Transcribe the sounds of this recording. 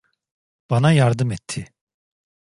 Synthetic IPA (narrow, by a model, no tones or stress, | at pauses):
b̥ɑnajaɾd̪ɯmɛt̪ʰːɪ